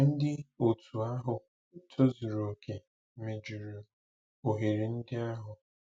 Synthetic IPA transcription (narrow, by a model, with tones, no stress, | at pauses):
n̩˦dɪ˦o˨tʰu˨a˦ɦʊ˨ | tʰo˦zʊ˨ɾo˨kʰe˨ | me˨d͡ʒu˨ɾu˨ | o˨ɦe˨ɾi˨n̩˦dɪ˦a˦ɦʊ˨